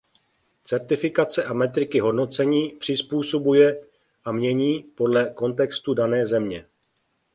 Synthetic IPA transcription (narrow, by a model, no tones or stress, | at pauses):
t͡sɛɾt̪ɪfɪkat͡sɛʔamɛt̪ɾɪkɪɦo̞dno̞t͡sɛɲiːpr̝̥ɪspuːso̞bujɛ | ʔamɲɛɲiːpo̞dlɛko̞nt̪ɛkst̪udanɛːzɛmɲɛ